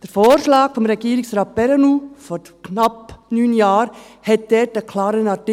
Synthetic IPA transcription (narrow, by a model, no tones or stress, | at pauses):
d̥əɾfoːɾʃlɑːkfɔmɾɛɡiːəɾɪksɾɑːt̚pɛɾənuːfɔɾ | kʰnɑpnyːnjɑːɾ | hɛt̚d̥ɛtəkʰlɑːɾənɑɾtɪ